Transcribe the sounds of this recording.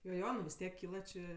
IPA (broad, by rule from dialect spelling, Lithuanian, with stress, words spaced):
joː ˈjoː nʊ ʋʲɪs ˈtʲiɛk ˈkʲiːlˠɐ t͡ʃʲeː